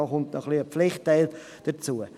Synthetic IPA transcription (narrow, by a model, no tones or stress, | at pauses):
ɔχʊntnɔχliəpflɪχtːɛɪlt | d̥ət͡suə